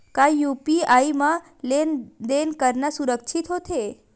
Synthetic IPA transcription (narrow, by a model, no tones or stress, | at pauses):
kajupiaimã | lend̪enkəɾnasuɾəkʃʰit̪ɦot̪ʰe